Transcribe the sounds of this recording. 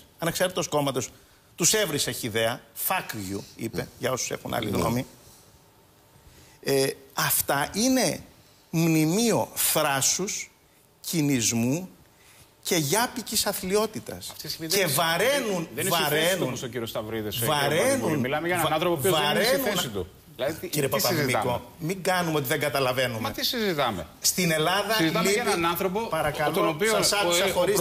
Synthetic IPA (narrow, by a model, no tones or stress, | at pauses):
ɐnɐkseɾet̪osko̞mɐt̪o̞s | t̪use̞vɾiseçiiðe̞ɐfɐkvʝuḭpeʝɐo̞suse̞̰xunʔɐ̰lḭɣno̞̰mi | eɐft̪ɐʔine̞ | mnimio̞θɾɐsus | cinizmu | ce̞ʝɐpicisɐθlio̞t̪it̪ɐ̰sɐft̪ise̞vɐɾenunðnvɐɾenunsociɾiost̪ɐvɾiðesvɐɾenunmilɐmeʝɐɐθɾopovɐɾesinuessit̪u | lɐiɾepotɐzimiko | miŋɡɐnumeot̪iðe̞ŋɡɐt̪ɐlɐve̞nummɐet̪isizit̪ɐmḛst̪ine̞lɐðɐzɐliɐɐnɐnθɾopopɐɾɐkɐlt̪onopioɐsɐsɐxoɾi